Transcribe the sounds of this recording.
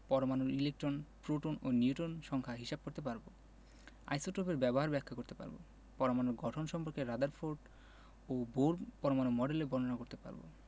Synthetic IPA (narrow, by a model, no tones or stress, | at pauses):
pɔɾomanoɾilek̚ʈɾonpɾoʈononiuʈonʃɔŋkʰaɦiʃab̚koɾt̪epaɾbo | a̰jsoʈɾopeɾbɛboɦaɾbɛkʰːakoɾt̪epa̰ɾbo̰ | pɔɾomanoɾɡɔʈʰonʃɔmpoɾkeɾad̪aɾfoɾɖ | oboɾpɔɾomanomɔɖelebʱɔnonakoɾt̪epa̰ɾbo̰